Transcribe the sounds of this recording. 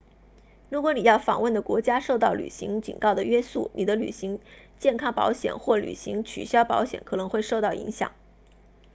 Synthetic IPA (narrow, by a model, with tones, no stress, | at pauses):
ɻu˧˥kwɔ˧˥ni˨˩jɑ˥˩ʊfɑ̰˨˩ŋwə˥˩nd̪ə˩kwɔ˧˥t͡ɕja˥ʂo˥˧ʊt̪ɑ˥˩ʊly̰˨˩ɕḭ˧˥ŋt͡ɕḭ˨˩nkɑ˥˩ʊd̪ə˩ɥɛ˥su˥˩ni˨˩d̪ə˦ly̰˨˩ɕi˧˥ŋ | t͡ɕjɛ˥˩˧nkʰɑ˥ŋpɑ̰˧˥ʊɕjɛ̰˨˩nxwɔ˥˩ly̰˨˩ɕi˧˥ŋt͡ɕʰy̰˨˩ɕjɑ˥ʊpɑ̰˧˥ʊɕjɛ̰˨˩˦nkʰɤ˨˩nɤ˧˥ŋxwe˥˧ɪʂo˥˧ʊt̪ɑ˥˩ʊḭ˧˥ŋɕjɑ̰˨˩˦ŋ